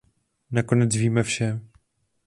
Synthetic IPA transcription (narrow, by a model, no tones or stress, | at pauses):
nako̞nɛt͡sviːmɛfʃɛ